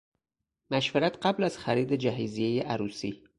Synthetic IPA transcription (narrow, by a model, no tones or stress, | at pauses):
mæʃveɾæt̪ɢæblæz̥xæɾiːd̪ed͡ʒæɦizijejeʔæɾuːsiː